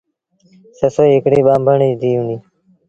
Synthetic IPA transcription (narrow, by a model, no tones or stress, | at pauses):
səsoɦɪkɽiːɓãːmbʱəɳiːd̪iːuniː